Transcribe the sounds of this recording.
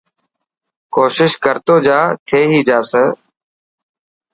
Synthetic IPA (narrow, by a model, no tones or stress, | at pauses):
koːʃɪʃkəɾt̪oːd͡ʒaːt̪ʰeːɦiːd͡ʒaːsəː